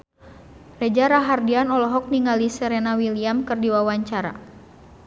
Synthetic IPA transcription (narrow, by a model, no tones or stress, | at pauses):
rɛd͡ʒaɾaɦardianɔlɔɦɔk̚niŋalisɛɾenawiliamkɨrdiwawaɲt͡ʃaɾa̰